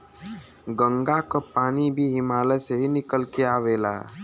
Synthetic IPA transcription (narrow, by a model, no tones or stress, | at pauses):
ɡə̃ŋɡakopaːnibʱiɦɪmaːleseɦinɪkəlkeaːʋeːla̰ː